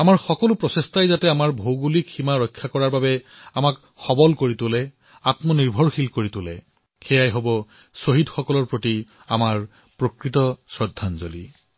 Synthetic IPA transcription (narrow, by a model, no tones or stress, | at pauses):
amaɹxɔkɔlʊpɹɔsestajzatɛamaɹbʱowɡulikximaɹɔjkʰːakɔɹaɹbabɛ | amak | xɔbɔlkoɹitʊlɛ | atmɔniɹbʱɔɹxilkoɹitʊlɛ | xɛjajɦobɔ | soɦidxɔkɔlɔɹpɹoti | a̰maɹ | pɹokɹitɔsɹɔdʱːanzo̰li